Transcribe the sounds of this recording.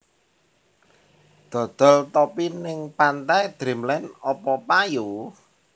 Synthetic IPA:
d̪̥ɔ̤d̪̥ɔ̤lt̪ɔpinɪŋpant̪ajd̪̥ɾe̤mlɛnɔpɔpaju

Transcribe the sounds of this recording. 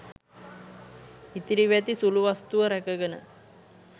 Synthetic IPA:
it̪iɾiʋæt̪isuluʋast̪uʋəɾækəɡənə̰

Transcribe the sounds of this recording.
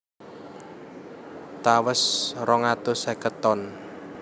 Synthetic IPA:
t̪awəsrɔŋat̪ʊsɛkət̪ɔn

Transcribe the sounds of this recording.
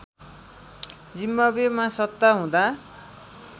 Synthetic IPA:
d͡zimːʌbemãsʌt̪ːaɦũd̪a

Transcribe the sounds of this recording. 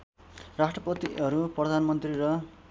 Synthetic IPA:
rasʈrʌpʌt̪iʌɾuprʌd̪ʱanmʌnt̪rirʌ

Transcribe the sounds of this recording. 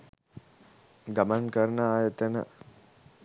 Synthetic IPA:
ɡamankəɾnəaːjət̪ənə̰

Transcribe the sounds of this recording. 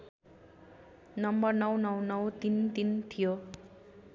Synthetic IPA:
nʌmbʌrnʌwnʌwnʌwt̪int̪int̪ʰijo

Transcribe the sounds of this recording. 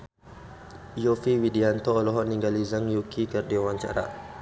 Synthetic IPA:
jofiwidiant̪ɔːlɔɦɔʔniŋɡalizaŋjukʰikərdiawaɲt͡ʃa̰ɾa̰ʔ

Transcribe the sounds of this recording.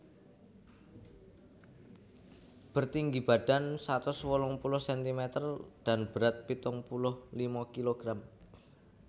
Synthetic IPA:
b̥ərt̪iŋɡib̥aɖ̥a̤nsat̪ʊswɔlʊŋpulʊhsɛnt̪imɛt̪ərd̥a̤nb̥əɾat̪̚pit̪ʊŋpulʊhlimakiloɡ̥ɾam

